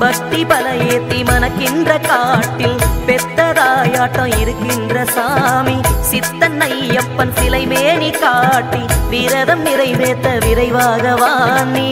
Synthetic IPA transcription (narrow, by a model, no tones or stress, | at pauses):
bɐk̚t̪ibɐlɐjeːt̪ːimɐnɐkːɪndrɐkaːʈːɪlpɛt̪ːɐðaːjaːʈːɐ̃ɪɾɯkːɪndrɐsaːmisɪt̪ːɐnːɐjɐpːɐnsɪlɐɪmeːnikaːʈːiʋɪɾɐðɐmnɪɾɐɪmeːt̪ːɐʋɪɾɐɪʋaːɣɐʋaːnːi